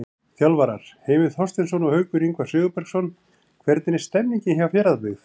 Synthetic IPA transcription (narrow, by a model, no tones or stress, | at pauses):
θjawlvaɾaɾ̥heːjvɪθhɔst̪ɪnsɔnɔhœɥkʏɾiŋkvḁsʏːɣʏpɛɾ̥ksɔn | kʰvɛɾt̪nɪɪ̥st̪ɛmniɲcɪnçjavafjɛːɾaðplɪθ